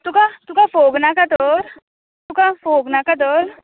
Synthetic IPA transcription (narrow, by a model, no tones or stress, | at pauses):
t̪ukat̪ukafoɡnakat̪ɔɾ | t̪ukafoɡnakat̪̬ɔɾ